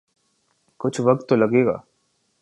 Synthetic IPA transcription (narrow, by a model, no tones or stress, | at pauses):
kʊt͡ʃʰʋɐk̚t̪ːolɐɡeːɡa̰ː